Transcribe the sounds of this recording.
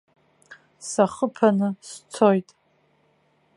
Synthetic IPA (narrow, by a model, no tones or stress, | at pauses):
saχəpʰanɨst͡sʰojtʼ